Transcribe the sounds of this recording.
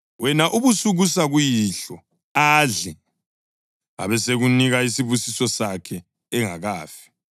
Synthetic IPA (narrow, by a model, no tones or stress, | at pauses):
wɛnaʔuβusuɣusaɣujiɬɔ | aɮɛ | a̰βɛseɣuniɣaisiβusisɔsakʰɛː | ŋa̰ɣaːfi̥